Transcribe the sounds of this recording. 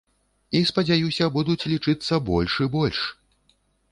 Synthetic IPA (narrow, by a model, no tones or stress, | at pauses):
ispɐd͡zʲajusʲɐbud̪ut͡sʲlʲit͡ʂɨt̪sːɐbɔ̰lʲʂɨbɔlʲʂ